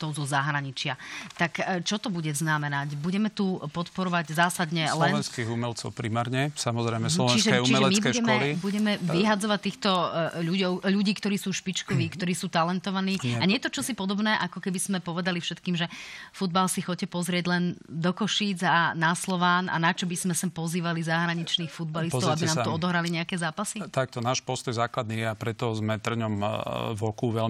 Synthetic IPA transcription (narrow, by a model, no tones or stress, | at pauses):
t̪ɔʊzɔzaɦɾaɲit͡ʃɪat̪akt͡ʃɔt̪ɔbuɟɛznamɛnacbuɟɛmɛt̪upɔt̪pɔɾɔʋaɟzaːsad̪ɲɛlɛnɛnskiːɣumɛlt͡sɔʊpɾimaːɾɲɛsamɔzɾɛjmɛslɔʋt͡ʃɛnisʒɛɛut͡ʃiɛʒɛɛmibkɛuɛkmɛɔlibuɟɛmɛʋiɦad͡zɔʋac̚t̪iːxt̪ɔʎuɟɔʊʎuɟiːkt̪ɔɾiːsuːʃpit͡ʃkɔʋiːkt̪ɔɾiːsuːt̪alɛnt̪ɔʋaniːaɲɛt̪ɔt͡ʃɔsipɔd̪ɔbnɛːʔakɔkɛbiz̥mɛpɔʋɛd̪alifʃɛt̪kiːmʒɛfud̪̚balsixɔcːɛpɔzɾɪɛɟlɛnd̪ɔkɔʃiːd͡zaːaslɔʋaːna̰nat͡ʃɔbizmɛsampɔziːʋalizaɦɾaɲit͡ʃniːxfud̪̚balisɔʊabinaːmt̪ɔɔd̪ɔɦɾaliɲɛakɛːzaːpasit̪ak̚t̪ɔnaːʃpɔst̪ɔjzaːklad̪̚niːjɛapɾɛt̪ɔzmɛt̪r̩ɲɔmʋɔkuʋɛl